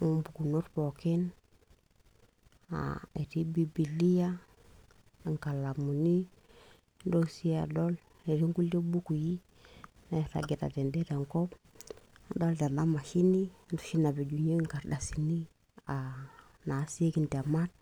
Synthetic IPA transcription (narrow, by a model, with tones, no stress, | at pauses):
u˦mbu˨ku˨no˦ɾpɔ˨ke˦n | a̰˨e˨ɾi˦bi˨bi˨li˦ja˦˨ | ŋka˨la˨mu˨ni˦ | ndo˦si˦a̰˨dɔ˦l | e˨ɾi˦ŋɡu˦le˦bu˦ku˨ji˦ | na˨ɾa̰˨ɡɛ˨ta̰˨tɛ˨ndɛ˦ta˨ŋkɔ˦p | do˦lta˨na˦ma˨ʃi˦ni˦ndu̥˦ʃi˦na˨be˨d͡ʒu˨ɲe˦ŋka˨ɾda˨si˨ni˦ | a˨ | na˨˦si˦e˦ki˨nde˨ma˦t̚